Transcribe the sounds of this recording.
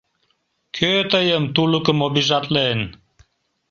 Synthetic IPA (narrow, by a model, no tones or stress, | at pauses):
kʰøt̪əjəmt̪ulukəmobiʒɑt̪ʼlen